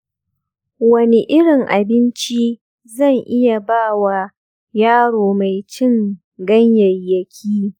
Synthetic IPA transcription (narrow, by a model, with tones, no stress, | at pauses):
wɐ˦ni˦ʔɪ˦ɽɪ˨ŋʔa˨bɪ˦nt͡ʃi˦ | zɐ˦˨ŋʔɪ˦ja˨baː˦˨wa˨ | jaː˦ɽoː˨ma˨jt͡ʃɪ˦ŋ | ɡɐ˦ɲjɐ˨jjːɐ˨kʲʰiː˦